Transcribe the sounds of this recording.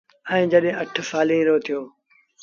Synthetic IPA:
ɛ̃ːd͡ʒəɗɦẽːɐʈʰsaːlĩːɾoːt̪ʰijoː

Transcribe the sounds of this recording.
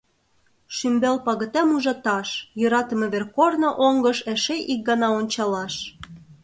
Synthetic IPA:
ʃymbelpɑɣə̆t̪æmuʒɑt̪ɑʃjøɾɑt̪ə̆mĕβerkornŏʔoŋɡəʃeʃeʔik̚ɡɑnɑonʲt͡ɕɑlɑʃ

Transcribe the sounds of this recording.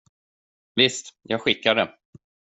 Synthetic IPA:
vɪst̪jɑːɡɧɪkːad̪ə

